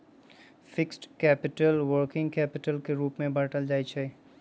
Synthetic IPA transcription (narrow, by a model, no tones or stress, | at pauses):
fɪksʈkɛːpɪʈəlwəɾkɪ̃ŋɡkɛːpɪʈəlkeɾuːpmẽbɐɾʈəld͡ʒaːit͡ʃʰɛ